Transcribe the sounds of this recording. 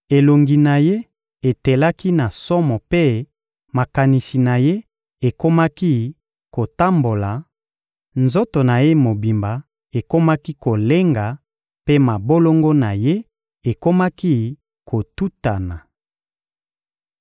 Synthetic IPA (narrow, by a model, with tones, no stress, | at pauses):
e˨lo˨ŋɡi˨na˨je˦ | e˨te˨la˦ki˦na˨sɔ˦mɔ˨pe˦ | ma˨ka˨ni˨si˨na˨je˦ | e˨ko˦ma˦ki˦ | ko˨ta˦mbo˨la˨ | nzo˦to˨na˨je˦mo˨bi˨mba˨ | e˨ko˦ma˦ki˦ko˨le˦ŋɡa˨ | pe˦ma˨bo˦lo˦ŋɡo˦na˨je˦ | e˨ko˦ma˦ki˦ | ko˨tu˦ta˨na˨